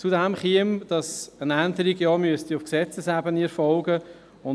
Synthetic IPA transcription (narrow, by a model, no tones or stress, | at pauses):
t͡sudæmχiəmd̥ɑsənændəɾiɡjɑmyəst̪iʊfksɛt͡səsæbəniɾfɔlɡə | ʊ